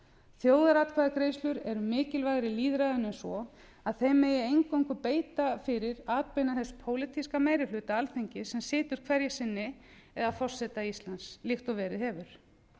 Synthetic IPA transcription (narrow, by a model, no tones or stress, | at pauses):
θjoːwðaɾat̪̚kʰaðakɾeːjslʏɾɛɾʏmɪːcɪlvajɣɾɪliːðɾaðʏnɛnsɔ | aðθejmɛjɛejŋkɔɪ̃ŋkvʏpeːjt̪afɪɾɪɾaːt̪̚pejnaθɛspʰoːwlɪt̪ʰiskamaːjɾɪlʏːt̪aalθejɲcɪsɛmsɪːt̪ʏɾ̥kʰvɛɾjɛsɪnːɪɛðafɔr̥sɛt̪aist̪lanslɪxt̪ɔvɛːɾɪðhɛvʏɾ̥